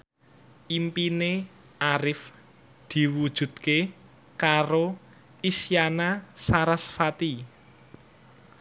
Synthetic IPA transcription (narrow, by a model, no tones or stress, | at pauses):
ʔimpine | ʔaɾɪf | d̪̥i̤wu̥ʒ̥ṳd̪̥̚ke | kaɾo | isjanasaɾasfat̪i